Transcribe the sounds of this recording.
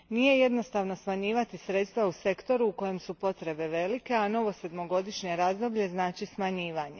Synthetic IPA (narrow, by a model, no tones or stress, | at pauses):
nije̞jed̪no̞st̪aʋno̞smaɲiːʋat̪isɾe̞t̪st̪ʋause̞kt̪o̞ɾuːko̞je̞msupo̞t̪ɾe̞be̞ʋe̞like̞ano̞ʋo̞se̞d̪mo̞ɡo̞d̪iʃɲe̞ɾaːzd̪o̞bʎe̞znaːt͡ʃismaɲiːʋaɲe